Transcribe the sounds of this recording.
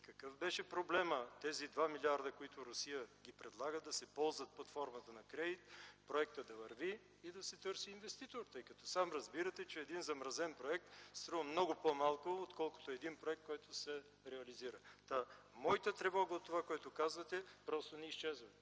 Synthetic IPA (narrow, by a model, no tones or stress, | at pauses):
kɐkɤfbɛʃɛpɾoblɛmət̪ɛzid̪vamilʲiaɾd̪əkoit̪ʊɾʊsijəɡʲipɾɛd̪lˠaɡəd̪ɐsɛpɔlˠzvət̪̚pɐt̪fɔɾmət̪ənɐkɾɛd̪it̪pɾoɛkt̪əd̪ɐvɐɾviː | d̪ɐsɛt̪ɤɾsiːnvɛst̪it̪oɾt̪ɤjkɐt̪ɔsamɾɐzbiɾət̪ɛt͡ʃɛːd̪inzɐmɾɐzɛnpɾoɛk̚t̪st̪ɾuvəmnɔɡʊpomalˠkʊot̪kɔlˠkʊ̥t̪oɛd̪inpɾoɛkt̪kɔjt̪ʊsɛ | ɾɛɐliziɾət̪a | mɔit̪ət̪ɾɛvɔɡəot̪ːovakoɛt̪ʊkazvət̪ɛpɾɔst̪onɛiʃt͡ʃɛzvə